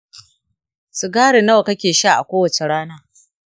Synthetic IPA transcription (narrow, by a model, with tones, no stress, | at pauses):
su˨ɡaː˦ɽe˨nɐ˦wkɐ˦kʲeː˨ʃa˦ʔa̰˨kʷoː˦wɐ˨t͡ʃe˨ɽaː˦naː˦